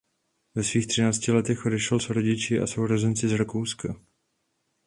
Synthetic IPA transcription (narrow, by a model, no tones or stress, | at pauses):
vɛsviːxt̪r̥ɪnaːt͡scɪlɛt̪ɛxʔodɛʃɛlsɾo̞ɟɪt͡ʃɪʔa̰so̞wɾozɛnt͡sɪzɾakowska